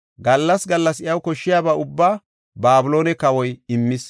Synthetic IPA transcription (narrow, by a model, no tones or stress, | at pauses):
ɡɐlːɐsɡɐlːɐsɪjɐwkɔʃːɪjaːbaːʊbːaː | baːbʊlo̞ːnɛkɐwɔjɪmːɪs